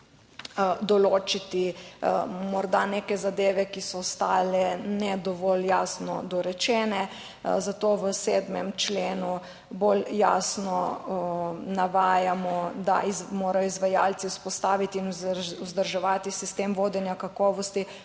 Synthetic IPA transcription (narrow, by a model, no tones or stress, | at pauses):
d̪ɔloːt͡ʃit̪i | mɔɾd̪anekɛzad̪eːʋɛkisɔːst̪aːlɛnɛd̪ɔʋɔːljaːsnɔ̰d̪ɔɾɛt͡ʃɛːnɛ | zat̪oːʋəsɛːd̪mɛmt͡ʃleːnu | bolja̰ːsnɔ | naʋaːjamɔd̪a̰izmoːɾajɔizʋajalt̪siuspɔst̪aːʋit̪iːnuzd̪əɾʒɛʋaːt̪isist̪emʋoːd̪ɛnjakakɔːʋɔst̪i